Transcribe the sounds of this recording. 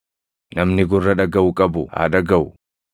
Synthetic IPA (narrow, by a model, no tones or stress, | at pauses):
nɐmnɪɡʊrːɐᶑɐɡɐʔʊkʼɐbʊ̰ha̰ːd̪ɐɡɐʔʊ